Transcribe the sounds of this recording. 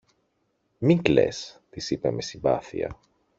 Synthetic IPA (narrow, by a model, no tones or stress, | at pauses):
miŋkle̞̰st̪isipeme̞sibɐθḭɐ̰